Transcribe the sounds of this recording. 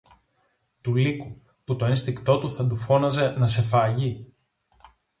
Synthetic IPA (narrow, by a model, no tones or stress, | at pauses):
t̪uliku | put̪o̞enst̪ikt̪o̞t̪uθɐd̪ufo̞nɐze̞nɐse̞fɐʝi